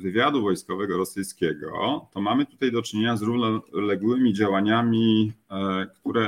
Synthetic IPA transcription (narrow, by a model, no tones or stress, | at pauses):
vɘvʲjad̪uvɔjskɔvɛɡɔɾɔsɘjskʲɛɡɔ̰t̪ɔmamɘt̪u̥t̪ajd̪ɔt͡ʂɘɲeɲazɾuvnɔlɛɡwɘmʲid͡ʑawaɲamʲi | kt̪uɾɛ